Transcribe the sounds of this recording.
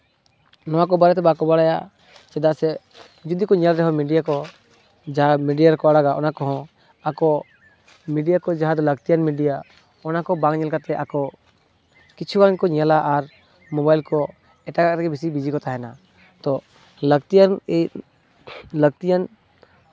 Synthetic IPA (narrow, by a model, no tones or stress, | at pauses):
nɔwakɔbaɾɛt̪ɛbaakɔbaɽaja̰ʔ | t͡ʃɛd̪aʔsɛ | d͡ʒud̪ikɔɲalɾɛɦɔ̃miɖijakɔ | d͡ʒaamiɖijaɾkɔaɽaɡaʔɔnakɔɦɔ̃ | akɔ | miɖijakɔd͡ʒaɦad̪ɔləɡt̪ijanmiɖija | ɔnakɔbãŋɲɛlkat̪ɛʔakɔ | kit͡ʃʰuɡaŋkɔɲalaʔaɾ | mɔbajlkɔ | ɛʈakak̚t̪ɛkɛbʱisibid͡ʒikɔt̪ʰaɦɛna | t̪ɔ | ləɡt̪ijan | ləɡ̚t̪ijan